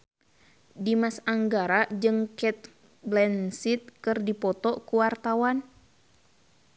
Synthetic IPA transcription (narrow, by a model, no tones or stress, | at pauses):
dimasaŋɡaɾad͡ʒɨŋkɛt̪̚ | blɛnsit̪̚kɨrdipɔt̪ɔkuwart̪awan